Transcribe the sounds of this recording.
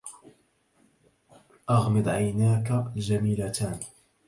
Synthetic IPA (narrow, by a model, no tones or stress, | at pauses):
ʔɑɣmɨd̪ˤʕajnaːkald͡ʒamiːlat̪ʰaːn